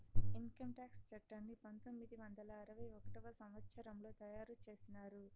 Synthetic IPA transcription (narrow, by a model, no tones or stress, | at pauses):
iŋkɐmʈaːkst͡ʃɐʈːɐnːipɐnt̪o̞mːid̪iʋɐnd̪ɐlɐːɾɐʋɐjokɐʈɐʋɐsɐmʋɐt̪sɐɾɐmlo̞ːt̪ɐjaːɾut͡ʃe̞ːsinaːɾu